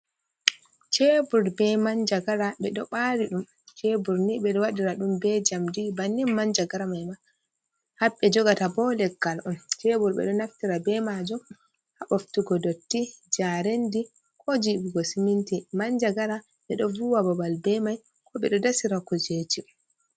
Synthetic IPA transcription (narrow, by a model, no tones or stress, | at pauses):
t͡ʃebuɾbɛmaɲd͡ʒaɡaɾaɓɛɗɔɓaɾiɗum | t͡ʃebuɾnibɛɗɔwaɗiɾaɗumbɛd͡ʒamdibanːinmaɲd͡ʒaɡaɾamajma | haɓːɛd͡ʒɔɡatabɔlɛɡːalʔɔnt͡ʃebuɾbɛ̰ɗɔnaftiɾabɛmad͡ʒɔm | haɓoftuɡɔdotːid͡ʒaɾendi | kʰɔd͡ʒibiɡɔsimintimaɲd͡ʒaɡaɾa | ɓɛɗɔvuwabɔbalbɛmaj | kʰɔɓɛɗɔdasiɾakɔd͡ʒeti